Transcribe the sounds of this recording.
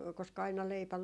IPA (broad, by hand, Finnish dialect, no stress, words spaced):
koskɑ ɑinɑ leipæ